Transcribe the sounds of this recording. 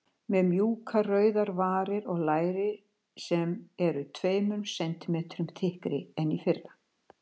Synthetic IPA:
mɛðmjuːkʰarœɥðaɾvaːɾɪɾɔɣlaːjɾɪ | sɛmɛɾʏt̪ʰveːjmʏnsɛnt̪ɪmeːt̪ɾʏmθɪhkɾɪɛnːifɪrːa

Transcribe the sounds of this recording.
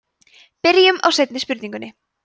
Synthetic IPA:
pɪɾɪjʏma̰wsɛjt̪nɪspʏɾt̪iŋkʏnːɪ

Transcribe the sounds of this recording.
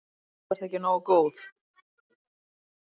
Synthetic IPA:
ɛɾ̥θɛcɪnoːwkoːwθ

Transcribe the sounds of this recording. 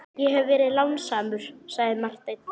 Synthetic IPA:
jɛɦɛvvɛːɾɪðlawnsaːmʏɾ̥saɣðɪmar̥t̪ejt̪n

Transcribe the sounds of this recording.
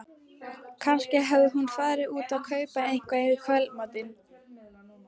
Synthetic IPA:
kʰanscɪɦɛvðʏɦunfaðɾɪuːt̪aðkʰœːɥpaejŋ̥kvaɪvɪɾ̥kʰvœlmat̪ɪn

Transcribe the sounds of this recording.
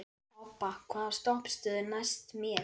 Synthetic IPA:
ɔpakʰvaːst̪ɔhpst̪ʏːðʏnajst̪mjɛ

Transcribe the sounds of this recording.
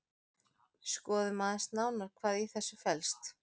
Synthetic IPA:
skɔːðʏmaːðɪnst̪naːwnaɾ̥kʰvaːðiθɛsːʏfɛlst̪

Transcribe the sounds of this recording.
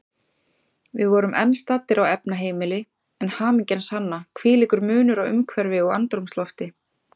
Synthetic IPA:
vɪðvɔːɾʏmʔɛ̰nst̪aːt̪ːɪɾawɛpnaɦeːjmɪlɪ | ɛnhaːmiɲcɛnshanːakʰvɪːlɪkʏɾmʏːnʏɾawʏ̰mkʰvɛɾvɪɔɣant̪ɾumst̪lɔft̪ɪ

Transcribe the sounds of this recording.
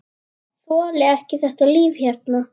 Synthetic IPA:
fɔːlɛɛhcɪθɛht̪aliːvçaɾ̥t̪na

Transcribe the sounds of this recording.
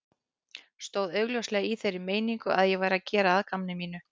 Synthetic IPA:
st̪oːwðœːɥɣljowslɛɣiθejɾɪmeːjniŋkʏ̰ʔaðjɛvaːjɾacɛːɾaaðkamnɪmiːn̪ʏ

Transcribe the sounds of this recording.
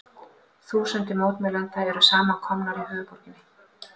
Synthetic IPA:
θuːsɛnt̪ɪmoːwt̪mɛlœnt̪aɛɾʏsaːmakʰɔmnaɾiɦœːvʏpɔɾ̥cɪnɪ

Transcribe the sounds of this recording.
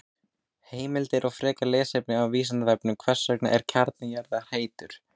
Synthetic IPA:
heːjmɪlt̪ɪɾʔaɣfɾɛːkalɛːsejpnɪawviːsant̪avɛp̚nʏmkʰvɛr̥sːœkna̰ʔɛɾ̥cʰaɾt̪nɪjaɾðar̥eːjt̪ʏɾ̥

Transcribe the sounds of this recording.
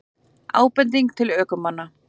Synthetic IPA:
a̰ːwpɛnt̪̬iŋk̚t̪ʰɪlœːkʏmːanːa

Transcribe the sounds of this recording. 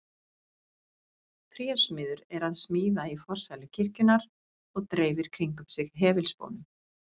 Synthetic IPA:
t̪ʰɾjɛsmɪːðʏɾɛɾaðsmiːðaifɔr̥sajlʏcʰɪr̥cʏnaɾ | ɔɣt̪ɾeːjvɪɾ̥kʰɾiŋkʏpsɪɣɦɛːvɪlspo̰wnʏm

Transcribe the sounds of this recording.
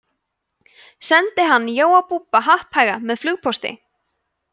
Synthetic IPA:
sɛnt̪ɪɦanːjoːwawpuːpaɦahphajɣamɛðflʏɣpʰɔst̪ɪ̰

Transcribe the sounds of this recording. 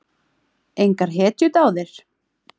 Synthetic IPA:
ejŋkaɾ̥ɦɛːt̪jʏt̪aːwðɪɾ̥

